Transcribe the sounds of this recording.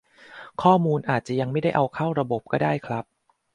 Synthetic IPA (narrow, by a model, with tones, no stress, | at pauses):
kʰɔː˥˩muː˧nʔaː˨˩t̪̚t͡ɕa˨˩ja˧ŋma˥˩jda˥˩ʔa˧wkʰa˥˩wɾa˧bo˨˩p̚kɔː˥˩daː˥˩jkʰɾa˦˥p̚